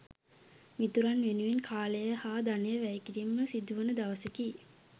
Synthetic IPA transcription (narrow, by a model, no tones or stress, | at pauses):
mit̪uɾanʋenuʋinkʰaːləjəhaːd̪anəjəʋæjkiɾimːəsid̪uʋənəd̪aʋəseki